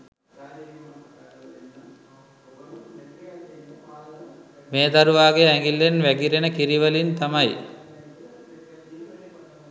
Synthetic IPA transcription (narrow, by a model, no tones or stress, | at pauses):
meːd̪aɾuʋaːɡeæŋɡilːenʋæɡiɾenəkiɾiʋəlint̪amɐj